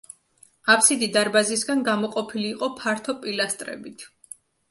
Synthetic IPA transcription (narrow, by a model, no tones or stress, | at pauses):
apʰsid̪id̪aɾbazisɡanɡamɔqʼɔpʰiliːqʼɔpʰaɾt̪ʰɔpʼilast̪ʼɾɛ̰bit̪ʰ